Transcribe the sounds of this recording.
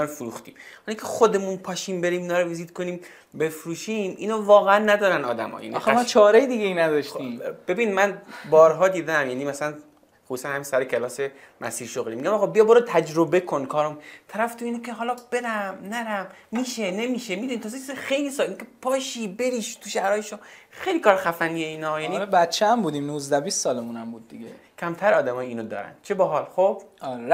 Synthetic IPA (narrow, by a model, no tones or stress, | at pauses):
inɒːɾfuɾuːxt̪ḭːmhɒlikʲʰexod̪e̞munpʰɒːʃiːmbe̞ɾiːmiːnɒːɾoiziːd̪̚kʰoniːm | be̞fɾuːʃiːmʔḭːnoːvɒːɣeænːæd̪ɒːɾænɒ̰ːd̪æ̰mɒ̰ːjæ̰ːnimːt͡ʃʰɒːɾejed̪iɡejinæd̪ɒʃt̪iːmb̥e̞biːnmænbɒːɾɦɒːd̪iːd̪emjæniːmæsælæn | χusuːsænhæmisæɾecʰelɒːse | mʔæ̰siːɾʃoɣliːmiɟʲæmɒɣɒːbijɒboɾɑt̪ʰæd͡ʒɾobe̞kʰonkʰɒːɾomut̪ʰæɾæft̪uiːnekʲʰeɦɒːlɒb̥e̞ɾæmnæɾæmːiːʃe̞ne̞miːʃemid̪unit̪ʰɒːzet͡ʃʰizexe̞jlisɒːlinkʰepʰɒːʃibe̞ɾiʃt̪ʰuʃæɾɒːjeʃom | xejlikʰɒːɾxæfænijeiːnɒjæniɾbæt̪t͡ʃʰeæmbuːd̪iːmnuːzd̪æviːst̪sɒːlemunæmbuːd̪ːiɡʲe | kʲʰæmt̪ʰæɾɒːd̪æmɒːjiːnod̪ɒ̰ːɾæ̰n̥t͡ʃʰebɒɦɒlxob̥